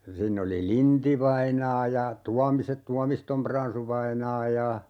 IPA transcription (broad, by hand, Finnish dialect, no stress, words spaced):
siːnː oli lintiʋɑinɑː jɑ tuɑmise tuɑmistom prɑnsuʋɑinɑː jɑ